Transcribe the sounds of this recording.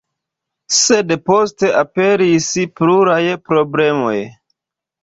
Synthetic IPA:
sedpo̞ste̞ʔape̞ɾispluɾajpɾo̞ble̞mo̞̰j

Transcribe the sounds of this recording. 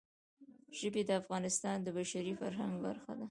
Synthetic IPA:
ʒ̥əbed̪əafɣɑnɪst̪ɑnd̪əbaʃaɾifaɾɦaŋɡba̰ɾxa̰d̪a

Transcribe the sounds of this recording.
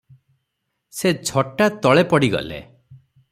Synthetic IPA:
sed͡ʒʱʰɔʈat̪ɔɭepɔɽiɡɔ̰lḛ

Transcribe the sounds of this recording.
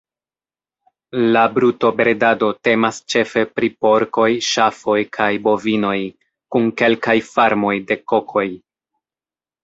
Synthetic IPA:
labɾuto̞bɾedado̞te̞mast͡ʃe̞fe̞pɾipo̞ɾko̞jʃafo̞jkʰajbo̞vino̞j | kunke̞lkajfaɾmo̞jde̞ko̞kʰo̞j

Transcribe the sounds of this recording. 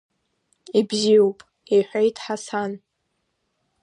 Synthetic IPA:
ibziwpʼ | eħʷejtʰʼħasan

